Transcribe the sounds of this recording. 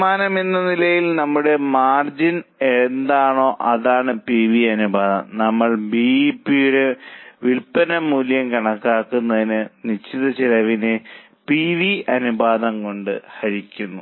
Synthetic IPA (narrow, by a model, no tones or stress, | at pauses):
maːnɐmenːɐnilɐjilnɐmːuɽe̞maːrd͡ʑinend̪aːɳo̞ːʔɐðaːɳɨpiʋiɐnubaːðɐ̰mnɐmːɐɭbiipːijuɽe̞ʋilpɐnɐmːuːljɐmkɐɳɐkːaːkːunːɐðinɨnit͡ɕːiðɐt͡ɕilɐʋinɨ | piːʋiɐnubaːðɐmko̞ɳɖɨ̰hɐɾikʲːunːu